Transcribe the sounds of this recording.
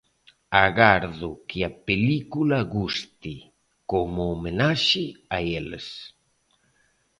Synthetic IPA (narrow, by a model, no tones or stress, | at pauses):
aɣaɾðʊkɪapelikulaɣust̪i | komoːmenaʃɪaelḛs